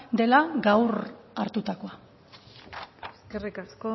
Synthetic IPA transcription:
d̪e̞laɡawraɾt̪ut̪ako̞a | eskerikasko

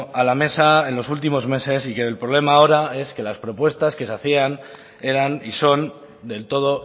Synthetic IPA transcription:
alame̞sae̞nlo̞sult̪imo̞zme̞se̞sike̞lpɾole̞maːo̞ɾae̞ske̞laspɾo̞pwe̞st̪aske̞saθian | e̞ɾaniso̞n | d̪e̞lt̪o̞ðo̞

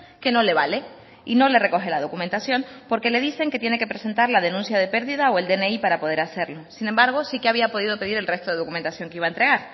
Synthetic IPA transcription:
ke̞no̞le̞βale̞ | ino̞le̞re̞ko̞xe̞laðo̞kumẽnt̪asjo̞ŋpo̞ɾke̞le̞ðiθe̞ŋket̪je̞ne̞ke̞pɾese̞nt̪aɾlaðe̞nũnsjað̞e̞pe̞ɾðiðaoe̞ld̪ene̞ipaɾapo̞ðe̞ɾase̞ɾlosinembaɾɣ̞o̞sikeaβiapo̞ð̞ið̞o̞pe̞ðiɾelre̞st̪oð̞e̞ð̞o̞kumẽ̞nt̪asjo̞ŋkeiβaent̪ɾe̞ɣ̞aɾ

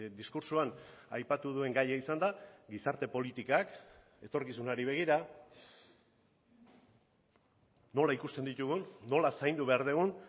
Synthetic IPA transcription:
d̪iskuɾsuanajpat̪uðue̞ŋɡajaisand̪aɡisaɾt̪e̞po̞lit̪ikak | e̞t̪o̞ɾkisunaɾiβ̞e̞ɣ̞iɾa | no̞laikust̪e̞nd̪it̪uɣunːo̞lasajnd̪uβe̞aɾðeɣun

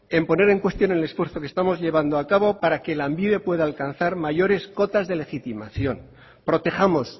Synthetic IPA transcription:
e̞mpo̞ne̞ɾe̞ŋkwe̞st̪jo̞nele̞sfwe̞ɾθo̞kest̪amo̞zʎe̞β̞and̪oakaβo̞paɾake̞lambiβe̞pwe̞ð̞alkanθaɾmaʝo̞ɾe̞sko̞t̪azðe̞le̞xit̪ima̰θjo̞n | pɾo̞t̪e̞xamo̞s

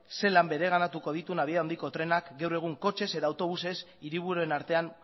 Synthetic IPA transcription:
se̞lambe̞ɾe̞ɣ̞anat̪uko̞ð̞it̪unaβiaond̪iko̞t̪ɾe̞nakɡawre̞ɣ̞uŋko̞t͡ʃe̞se̞t̪aːwt̪o̞β̞use̞siɾiβ̞uɾoenaɾt̪e̞an

